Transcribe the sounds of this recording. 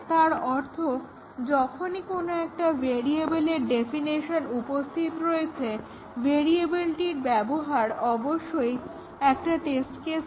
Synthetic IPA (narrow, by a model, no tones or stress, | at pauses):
t̪aɾɔɾt̪ʰo | d͡ʑɔkʰonikonoɛk̚ʈabʱeɾiebeleɾɖefiniʃonupost̪ʰit̪ɾoet͡ɕʰe | beɾiebilʈiɾbɛboɦaɾɔboʃːoj | ɛk̚ʈaʈesʈkes